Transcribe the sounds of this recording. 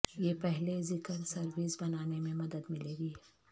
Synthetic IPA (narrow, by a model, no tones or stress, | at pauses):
jeːpɛɦlezɪkəɾsɐɾʋisbɐnaːnemẽmɐd̪əd̪mɪleːɡi